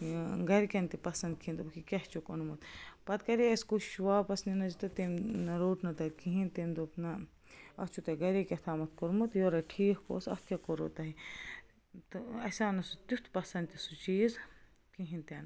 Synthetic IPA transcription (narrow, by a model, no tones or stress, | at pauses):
ɡɐɾikɐnt̪ipɐsɐnd̪̚kʰĩnd̪ubkikʲɐht͡ʃukonmut̪pɐt̪kɐɾiɐskuʃuʋaːpɐsninɐd͡ʒt̪ɐt̪emnɐɾoːʈnɐt̪ɐɾkĩɦĩnt̪end̪opnɐ | ɐt͡ʃʰut̪ɐɡɐɾekʲɐt̪ʰaːmɐt̪koɾmut̪joɾɐʈʰiːkko̰ːsɐ̰tkʲekoɾo̰ːt̪ɐɦi | t̪ɨɐsʲaːnɐsut̪ut̪ʰpɐsɐnd̪t̪ʲisut͡ʃiːz | kiɦĩnt̪ʲɐn